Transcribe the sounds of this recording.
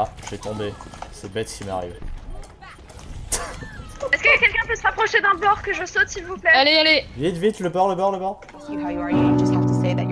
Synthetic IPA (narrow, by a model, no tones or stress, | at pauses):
aʒɛt̪ɔ̃besɛbɛt̪kʲima̰ʁive | ɛskəkʲɛlkʲɛ̃pøsəʁapχɔʃed̪ɛ̃blɔʁkəʒəsot̪silvuplɛalealevit̪vit̪ləbɔʁləbœʁləbɔʁ | hajd͡ʒʌstat̪ʰəseðæ